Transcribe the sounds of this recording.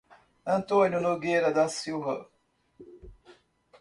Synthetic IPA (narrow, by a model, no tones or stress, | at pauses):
ɐ̃nt̪õnjʊnoɡejɾɐd̪ɐsiwvɐ̰